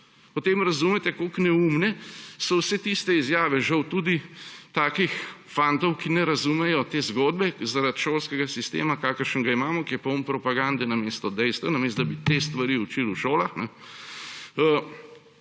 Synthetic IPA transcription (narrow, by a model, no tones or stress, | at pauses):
pɔt̪eːmɾɐzumɛt̪ɛkoknɛuːmnɛsɔwsɛt̪ist̪ɛizjaːʋɛʒɐwt̪ud̪it̪aːkix | fant̪ɔwkinɛɾɐzuːmɛjɔt̪eːzɡoːd̪̚bɛzaɾat̪ʃoːlskɛɡasist̪ḛːmakaːkəɾʃənɡaimaːmɔkiɛpɐompɾɔpaɡand̪ɛnameːst̪ɔd̪ɛjst̪ʋanɐmeːst̪d̪abit̪eːst̪ʋaɾiut͡ʃiluʃoːlaxnɛ | ə